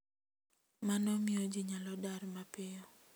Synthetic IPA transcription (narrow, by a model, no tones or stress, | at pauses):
manɔmɪod͡ʒiɲalɔdaɾmapɪjɔ